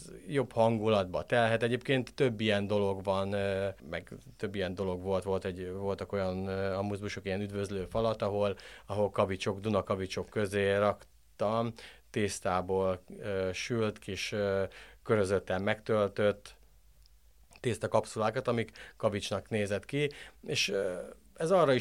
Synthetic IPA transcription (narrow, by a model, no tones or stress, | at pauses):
jo̞bhɒŋɡulɒd̪bɒt̪ɛlɦɛt̪ɛɟeːp̚keːnt̪ːø̞bːijɛnd̪o̞lo̞ɡʋɒnmɛ̰ɡt̪ø̞bːijɛnd̪o̞lo̞ɡʋo̞lt̪ʋo̞lt̪ɛɟvo̞lt̪ɒko̞jɒnɒmuzbuʃokijɛnyd̪vøzløːfɒlɒt̪ɒɦo̞lɒɦo̞lkɒvit͡ʃo̞ɡd̪unɒkɒvit͡ʃo̞kːø̞zeːɾɒk | t̪ɒmt̪eːst̪aːboːløːʃylt̪kiʃ | køɾøzøt̪ːɛmːɛkt̪ølt̪ø̞t̪ː | eːst̪ɒkɒpsulaːkɒt̪ɒmikkɒvit͡ʃnɒkneːzɛt̪kieːʃ | ɛzɒːrːɒi